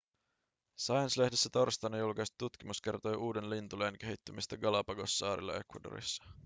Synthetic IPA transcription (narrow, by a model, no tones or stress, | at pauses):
sɑjɑnslehdesːæt̪o̞rst̪ɑnːɑjulkɑjst̪i̥t̪ut̪k̟imuske̞rt̪o̞jʔuːde̞nlint̪uleːŋk̟e̞ɦit̪ːymist̪ɑɡɑlɑpɑɡo̞sːɑːɾḭlːɑ̰e̞kwɑdo̰ɾḭsːɑ̥